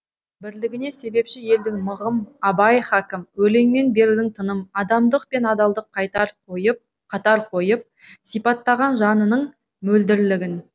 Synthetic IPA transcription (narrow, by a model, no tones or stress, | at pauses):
bɪɾlɪɡʲɪne̞se̞be̞pʃɪje̞ld̪ɪŋməʁəmɑbɑjχakʲɪmwɵle̞ŋme̞nbe̞ɾud̪ɪŋt̪ʰənəmɑd̪ɑmd̪əqpe̞nɑd̪ɑlˠd̪əqʰːɑjt̪ɑɾqʰojəp̚ | qʰɑt̪ɑɾqʰo̞jəp̚sijpɑt̪ːɑʁɑnʒɑnənəɴ | mɵld̪ɪɾlɪɡʲɪn